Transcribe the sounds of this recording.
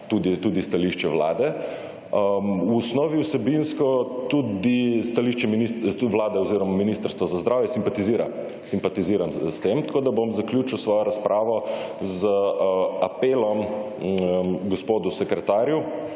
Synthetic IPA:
t̪ud̪it̪ud̪ist̪aliʃt͡ʃɛʋla̰ːd̪ɛ | wːsnɔːʋiwsɛbinskɔt̪ud̪ist̪aliʃt͡ʃɛminiʋlaːd̪ɛɔziɾɔmaminist̪əɾst̪ʋazazd̪ɾaːwjɛsimpat̪iziːɾa̰ | simpat̪iziːɾamst̪emt̪koːd̪abomzaklʲjuːt͡ʃiwsʋɔːjɔɾaspɾʔaːʋɔzəapeːlɔm | ɡɔspoːd̪usɛkɾɛt̪aːɾju

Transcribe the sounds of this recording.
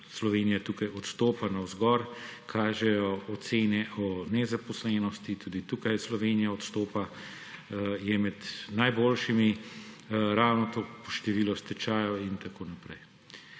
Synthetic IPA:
slɔʋeːnijat̪uːkajɔt̪st̪oːpanawzɡɔɾkʰaːʒɛjɔːt̪seːnɛʔɔnɛzapɔslɛnɔst̪it̪ʰuːd̪it̪uːkajslɔʋeːnijaɔt̪st̪oːpa | jɛmɛd̪najboːlʃimi | ɾawnɔt̪oːpɔʃt̪ɛʋiːlɔst̪ɛt͡ʃaːjɔint̪akoːnapɾɛj

